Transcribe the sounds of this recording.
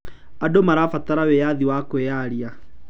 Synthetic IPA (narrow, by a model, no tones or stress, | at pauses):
adomaɾafataɾawejaðiwakweaɾia